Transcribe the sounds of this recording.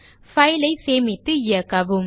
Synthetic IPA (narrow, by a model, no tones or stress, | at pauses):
fɐjlɐɪseːmɪt̪ːɯɪjɐkːɐʋɯm